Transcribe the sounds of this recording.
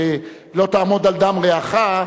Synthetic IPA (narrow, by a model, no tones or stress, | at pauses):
lo̞t̪aːmo̞d̪ald̪amʁeaχa